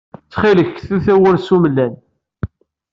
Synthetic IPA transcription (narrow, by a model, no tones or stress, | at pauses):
t͡sːχiləçθuθæwəɾsumlːæn